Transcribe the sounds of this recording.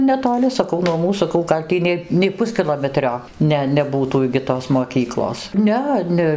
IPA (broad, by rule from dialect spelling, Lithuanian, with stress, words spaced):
nʲɛtoːˈlʲɪ sɐˈkɐʊ nuɔ ˈmuːs sɐˈkɐʊ ɡɐlʲ ˈtʲiː nʲɛɪ nʲɛɪ ˈpʊsʲkʲɪlˠoːmʲɛtʲrʲoː ˈnʲɛ nʲɛˈbuːtuː ɪɡʲɪ ˈtoːs moːˈkʲiːklˠoːs ˈnʲɛ ˈnʲɛ